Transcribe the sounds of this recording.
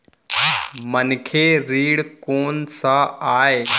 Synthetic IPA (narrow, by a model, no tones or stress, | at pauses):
mənkʰeɾiːɽkoːnsaaːe